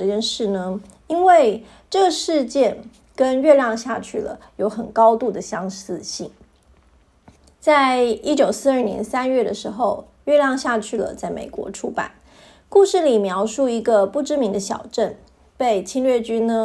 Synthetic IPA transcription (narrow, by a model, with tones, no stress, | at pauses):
ɤ˥˧t͡ɕjɛ˥˧nʂɻ̩˥˩nə˩ | i˥nwe˥˩˧ɪ | ʈ͡ʂɤ˥˩ɡə˩ʂɻ̩˥˧t͡ɕjɛ˥˩n | kə˦nɥɛ˥˧ljɑ˥˧ŋɕja˥˧t͡ɕʰy˥˩lə̰˩ | jo˧˥ʊxə˨˩nkɑ˥ʊt̪u˥˩d̪ə˩ɕjɑ˥ŋsɹ̩˥˧ɕi˥˩ŋ | t͡sa˥˩ɪi˥t͡ɕjo˨˩ʊsɹ̩˥˧ə˞˥˩njɛ̰˧˥nsa˥nɥɛ˥˩d̪ə˩ʂɻ̩˧˥xo˧ʊ | ɥɛ˥˧ljɑ˥˧ŋɕja˥˧t͡ɕʰy˥˩lə̰˩t͡sa˥˩ɪmḛ˨˩ɪkwɔ̰˧˥ʈ͡ʂʰu˥pa̰˨˩˦n | ku˥˧ʂɻ̩˥˩li˨˩mjɑ˧˥ʊʂu˥˩i˧˥ɡə˧pu˥˩ʈ͡ʂɻ̩˥mi˧˥ŋd̪ə˧ɕjɑ̰˨˩ʊʈ͡ʂə˥˧n | pe˥˩ɪt͡ɕʰi˥nɥɛ˥˩t͡ɕy˥nnə˧